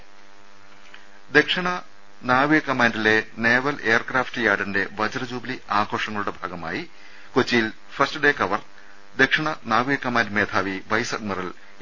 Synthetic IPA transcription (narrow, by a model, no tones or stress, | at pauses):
d̪e̞kʂɐɳɐ | naːʋijɐkːɐmaːndile̞neːʋɐleːrkraːftɨjaːɽinde̞ʋɐd͡ʑɐrɐd͡ʑuːbliaːɡʰʱo̞ːʂɐŋːɐɭuɽe̞bʱaːɡɐma̰ːji | kot͡ɕːijil | fɐrstɨɖe̞ːkɐʋɐr | d̪e̞kʂɐɳɐnaːʋijɐkːɐmaːndmeːt̪ʰaːʋiʋɐjsɐɖ̚mɐrɐl